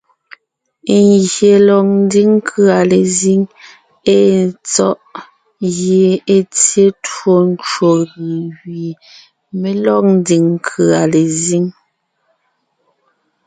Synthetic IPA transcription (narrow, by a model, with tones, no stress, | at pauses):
ŋɣje˨lɔ˨k̚n˦di˦ŋ˦kʰʉ˦a˨le˨zi˦ŋ | e˦˨t͡sɔ˦ʔ | ɣje˨e˦t͡sje˦two˦n˦t͡ʃwo˨ɣɯ˨wɥi˨ | me˨lɔ˦k̚n̩˦di˨ŋŋ˦kʰɯ˨a˨le˨zi˦ŋ